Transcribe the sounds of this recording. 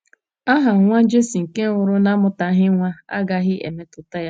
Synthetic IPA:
a˦ɦa˨ŋʷa˦n˦d͡ʒe˦si˨ŋ̩˨ke˦ʊ˨ɾʊ˦na˦mʊ˨ta˨˦ɦɪ˦ŋʷa˦a̰˦ɡa˨˦ɦɪ˦ʔḛ˨me˦tʊ˨ta˦ja˦

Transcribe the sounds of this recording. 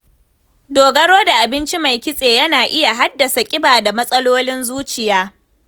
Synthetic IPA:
doː˨ɡɐ˦ɽoː˦da˨ʔa˨bɪ˦nt͡ʃi˦ma˨jkʲɪ˦sʼeː˨jɐ˦naː˨ʔɪ˦ja˨ɦa˦dːɐ˨sa˨kʲʼɪ˦baː˨da˨mɐ˦sʼɐ˦loː˦lɪ˦nzuː˦t͡ʃɪ˨jaː˦

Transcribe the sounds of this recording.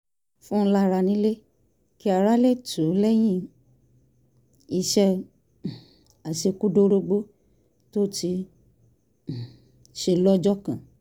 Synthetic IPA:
fũ˦la˦ɾa˧nĩ˦le˦ | ki˦a˨ɾa˦le˦˨tʰũ˨˦lɛ˦j̃ĩ˦˨ | i˧ʃɛ˦˨ | a˨ʃe˧ku˦do˦˧ɾo˧ɡ͡bo˦ | to˦ti˧ | ʃe˧˨lɔ˦d͡ʒɔ˦kã˨

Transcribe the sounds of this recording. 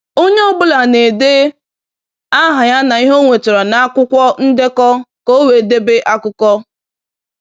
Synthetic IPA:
o˦ɲe˦o˦bʊ˦la˨ne˨dɪ˦ | a˦ɦʊ˨ja˦na˨i˦ɦo˦ŋʷe˨tʊ˨ɾɔ˨na˨a˦kʷʊ˦kʷɔ˦n̩˦de˦kɔ˦ko˦we˨de˦bɪ˦ʔa˦kʊ˦kɔ˦

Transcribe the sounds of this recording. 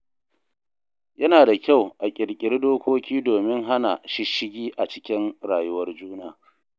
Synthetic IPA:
jɐ˦naː˨da˨kʲa˦˨wʔa˨kʲʼɪ˨ɽkʲʼɪ˦rdoː˦kʷoː˦kʲiː˦doː˨mɪ˦ŋɦa˦na˨ʃɪ˦ʃɪ˦ɡʲiː˦ʔa˨t͡ʃɪ˦kʲɪ˦nɽaː˨jʊ˦wɐ˦rd͡ʒuː˦naː˨

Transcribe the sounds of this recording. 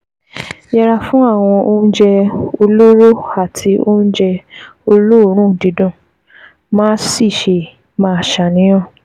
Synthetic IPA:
jɛ˧ɾa˧fũ˦a˦˨w̃ɔ̃˧ʔo˦n̩˦d͡ʒɛ˧o˧lo˦ɾo˦a˦˨tʰi˧o˦n̩˦d͡ʒɛ˧o˧lo˦o˦ɾ̃ũ˦˨di˨˦dõ˦˨ | mãː˦si˦˨ʃe˧ | mãː˧˨ʃa˨nĩ˨˦j̃ɔ̃˦˨

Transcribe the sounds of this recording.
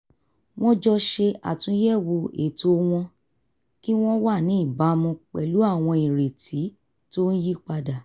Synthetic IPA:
w̃ɔ̃˦d͡ʒɔ˦ʃe˧a̰˨tũ˨˦jɛ˦˨wo˧e˨to˧w̃ɔ̃˧ | ki˦w̃ɔ̃˦wa˦˨nĩ˨˦i˦˨ba˨˦mɔ̃˧k͡pɛ̰˨lu˨˦a˦˨w̃ɔ̃˧ĩ˨ɾe˨tʰi˨˦ | to˦n̩˦ji˦k͡pa˧da˨

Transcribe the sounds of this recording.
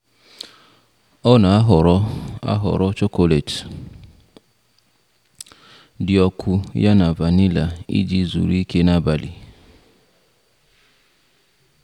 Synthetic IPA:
ɔ˦na˨˦ɦa̰˦ɦɔ̰˨ɾɔ˦t͡ʃo˦ko˦le˨t | dɪ˨ɔ˨kʷʰʊ˦ja˦na˨va˨ni˦la˨ḭ˦d͡ʒi˨zṵ˨ɾi˦ke˦na˦ba˨lḭ˨

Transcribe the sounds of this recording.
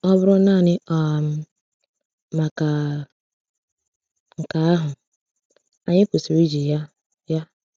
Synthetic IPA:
ɔ˦bʊ˦ɾʊ˦na˦˨nɪ˦ʔɔ˨m̩˦ | ma˨ka˨ | ŋ̩˨ka˨a˦ɦʊ˨ | a˨ɲɪ˦po˨si˨ɾi˦d͡ʒi˨ja˦ | ja˦

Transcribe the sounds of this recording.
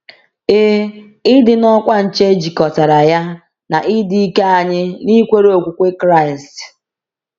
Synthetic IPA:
e˦ | ɪ˦dɪ˨nɔ˦kʷa˦n̩˨t͡ʃe˦d͡ʒi˨kɔ˨ta˨ɾa˨ja˦ | na˨ʔɪ˦di˦i˦ke˦a˨ɲɪ˦ni˦kʷe˦ɾe˦o˨kʷu˨kʷe˦kɾa˦˨ɪ˨st

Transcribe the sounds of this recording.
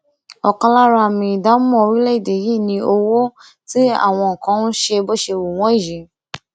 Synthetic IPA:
ɔ˨kã˧la˦ɾa˧˨mĩ˧˨da˦mɔ̃˦˧ɾĩ˦lɛ˦i˦˨de˨˦ji˦˨nĩ˧o˧wo˦ | ti˦a̰˦˨w̃ɔ̃˧ŋ̩˨kã˨˦nũ˦ʃe˧bɔ˦ʃe˧wo˨w̃ɔ̃˨˦i˦˨jĩ˨˦

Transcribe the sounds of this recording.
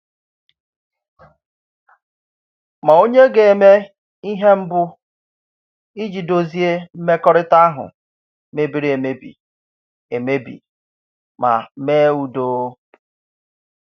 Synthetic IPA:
ma˨o˦ɲe˦ɡe˨e˨me˦ | i˦ɦe˦m̩˦bʊ˦ | i˦d͡ʒi˨do˦zi˦e˦m̩˦me˦kɔ˦ɾɪ˦ta˦a˦ɦʊ̰˨ | me˦bi˦ɾi˦e˨me˦bḭ˨ | e˨me˦bḭ˨ | ma̰˨˦meː˦u˨do˦

